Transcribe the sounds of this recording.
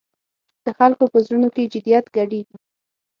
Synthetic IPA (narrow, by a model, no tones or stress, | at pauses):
d̪̥əxalkopəzɾunoked͡ʒɪd̪ijat̪ɡaɽii